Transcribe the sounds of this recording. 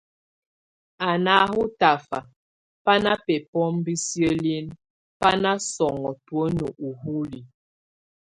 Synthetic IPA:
a˨na˦hu˦ta˨fa̰˨ | pa˦na˦pɛ˨pɔ˦mbi˦sjə˦li˦n | pa˦na˦sɔ˨ŋɔ˨twə˦nə˨ʔu˨hu˦li˨

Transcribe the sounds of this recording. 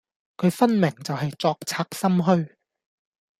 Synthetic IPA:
kʰɵ˨˧ɥfɐ˥nmɪ˨˩ŋt͡sɐ˨whɐ˨jt͡sɔː˧k̚t͡sʰaː˧k̚sɐ˥mɦɵ˥ɥ

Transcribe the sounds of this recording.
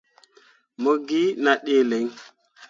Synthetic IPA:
mo˦ɡi˦na˨ɗe˦le˨˦ŋ

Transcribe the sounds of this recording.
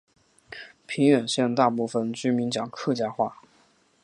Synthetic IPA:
pʰi˧˥ŋɥɛ˨˩nɕjɛ˥˧nt̪a˥˧pu˥˩fə˨˩nt͡ɕy˥mi˧˥nt͡ɕjɑ˨˩ŋkʰɤ˥˧t͡ɕja˥xwa˥˩

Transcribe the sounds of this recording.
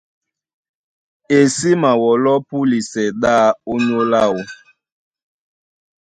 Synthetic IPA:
e˨si˦ma˨wɔ˨lɔ˦pu˦li˨sɛ˨ɗa˦o˦ɲo˦la˦˨o˦

